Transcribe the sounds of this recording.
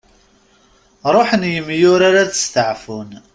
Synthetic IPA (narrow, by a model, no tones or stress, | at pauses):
ɾˤoħənjəmːjʊɾaɾaðə̥st̪əʕfun